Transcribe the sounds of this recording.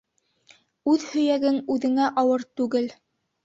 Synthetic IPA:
ʉðhɵ̆jæɡɘŋʉðɘ̆ŋæʔɑwɤɾt̪ʉɡɘl

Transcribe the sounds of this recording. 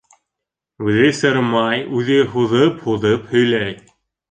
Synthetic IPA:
ʉðɘjsɤɾmɑjʉðɘɦuðɤphuðɤphɵ̆jlæj

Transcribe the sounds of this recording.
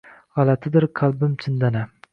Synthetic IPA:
ʁɑlat̪ʰɪd̪ɪɾkʰalˠbɪmt͡ʃʰɪnd̪ana

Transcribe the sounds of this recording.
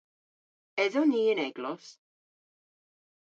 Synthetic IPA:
ɛðɔniːənɛɡlɔs

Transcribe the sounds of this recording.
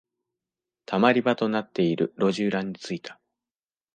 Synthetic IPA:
t̪ʰamaɾʲibat̪o̞nat̪ːe̞iɾɯ̟ɾo̞ʑɨːɾãɲ̟ːit͡sɨit̪ʰḁ

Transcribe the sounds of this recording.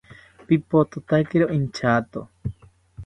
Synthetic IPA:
pipot̪ot̪akeɾoʔint͡ʃaːt̪o̰

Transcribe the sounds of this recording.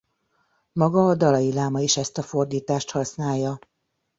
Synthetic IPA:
mɒɡɒːd̪ɒlɒjilaːmɒiʃɛst̪ɒfo̞rd̪iːt̪aːʃt̪hɒsnaːjːɒ

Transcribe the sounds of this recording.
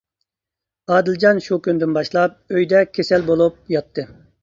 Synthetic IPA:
ɑːd̪ɪld͡ʒɑnʃukʲynd̪ynbɑʃlˠɑp̚øjd̪ɛkʲʰesɛlbolˠup̚jɑt̪ʰːɨ

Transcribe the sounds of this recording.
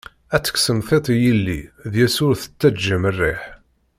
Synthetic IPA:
æt͡sːə̥ksəmθet̪ˤijilːḭðjæsʊɾθə̥t͡sːæd͡ʒəmərːḛħ

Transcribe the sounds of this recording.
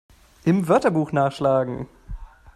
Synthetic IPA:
ʔɪmvœɐtɐbuːxnaːχʃlaːɡŋ̩

